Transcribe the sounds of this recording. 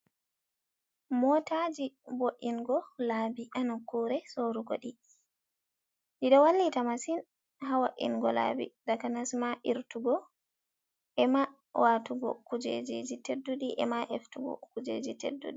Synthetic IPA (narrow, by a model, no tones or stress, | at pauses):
mɔtad͡ʒiboʔːinɡɔlaːbiʔanakuɾɛsoɾuɡo̰ɗi | diɗɔwalːitamasin | ɦawaʔḭnɡɔla̰bḭdakanasmaʔiɾtuɡɔ | ʔɛma | wʔatuɡɔ̰kud͡ʒḛd͡ʒed͡ʒitedːuɗiʔɛ̰maʔɛftuɡɔ̰kud͡ʒḛd͡ʒitḛdːṵɗi